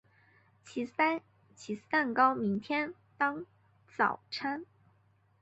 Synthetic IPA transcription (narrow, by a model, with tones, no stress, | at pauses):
t͡ɕʰi˧˥ | t͡ɕʰi˧˥a˥˩nkɑ˥ʊmi˧˥ŋt̪ʰjɛ˥n | t̪ɑ˥ŋ | t͡sɑ̰˨˩ʊʈ͡ʂʰa˥n